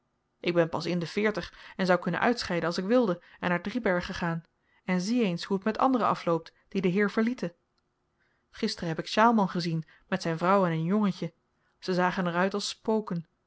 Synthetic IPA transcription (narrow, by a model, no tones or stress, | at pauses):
ʔɪɡ̚bɛnpɑsɪndəv̥ɪːɹtəχɛnzɑwkɵnə̰nʔœ̰ɥtsχɛjdənɑlˠsɪkʋɪlˠdəɛnːaːɹdribɛɹχəχaːn | ɛnziejnshuətmɛtɑ̰ndərəɑ̰flowp̚td̥idəɦɪːɹv̥əɹlitə | χɪstərəɦɛpɪkʃaːlˠmɑnχəzin | mɛtsɛjnvrɑwɛnənjɔŋəcə | z̥əzaːχənɛrœɥtɑlˠspowkən